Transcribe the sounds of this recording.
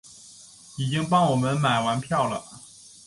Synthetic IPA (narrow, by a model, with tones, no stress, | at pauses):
i˨˩t͡ɕi˥ŋpɑ˥ŋwɔ˨˩mə˦nma˨˩ɪwa˧˥npʰjɑ˥˩ʊlə̰˩